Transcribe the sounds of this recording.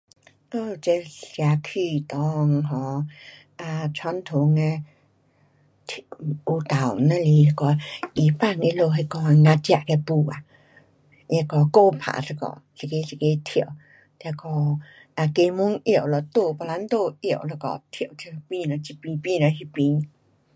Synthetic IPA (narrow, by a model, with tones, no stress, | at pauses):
kɔ˧˨˧t͡ɕe˧ɬja˨˧˨kʰi˧˨t̪ɔ˧˦ŋɦɔ˧˦ | a˧t͡ɕʰwa˧˥nt̪ʰu˧˦ŋe˧ | t̪ʰu˧˩t̪a˨˩wna˧li˧˨lkɔ˧i˨˩pa˥˧˨ne˧lo˧ɦe˧kɔ˧ŋã˧t͡ɕja˧ʔke˧pu˧˩a˨ | je˧kɔ˧ko˧pʰa̰˨sə˧kɔ̰˧˨si˨ke˧˦si˧˨ke˧˦t̪ʰi˨w | t̪ɛ˧kɔ˧˩ | ʔa˧ke˧mu˧˦ŋi˧˨wlɔ˧˨t̪o˧pɔ˧˨la˧˦nt̪o˥˧i˧˨wʔlə˧kɔ̰˧˨t̪ʰi˨wtʰi˧pi˧lə˧t͡ɕi˧pĩ˧pi˧˨lə˧ɦi˧pĩ˧˦